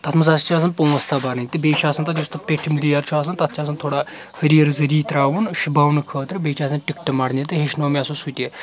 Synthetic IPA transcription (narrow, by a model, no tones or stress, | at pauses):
t̪ɐt̪ʰmɐsast͡ʃʰaːs̬ɐnpoːst̪abaɾɨnʲt̪ɨbeːt͡ʃʰaːsɐnt̪ɐd͡ʒust̪ɐt̪̚pʲeʈʰimilijɐɾt͡ʃʰuaːs̬ɐnt̪ɐt̪ʰt͡ʃʰʲaːsɐnt̪ʰoːɽaː | hɐɾiɐɾzɐɾiːt̪ɾaːʋunʃibaːwnɨkʰəːt̪ɾɨbeːt͡ʃʰaːsɐnʈikʈɐmaɽnʲit̪ɨɦeʃnoːmʲaːsũsut̪ʲe